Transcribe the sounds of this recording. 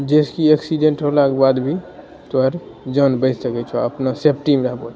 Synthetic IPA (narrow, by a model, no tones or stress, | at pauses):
d͡ʒeskieksiɖeɳʈɾoɦlakebad̪bʱi | t̪oəɾd͡ʒənbəɪsəkɛt͡ʃʰɔəpnasep̚ʈimɾəɦbɔt͡ʃʰ